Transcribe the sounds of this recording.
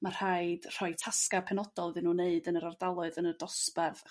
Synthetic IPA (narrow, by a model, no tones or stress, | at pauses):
mar̥haɨd̥r̥ɔɨtʰaskapʰɛnɔd̥ɔlˠvɨnuːneɨdənəɾardalˠʊɨðənədɔspɛv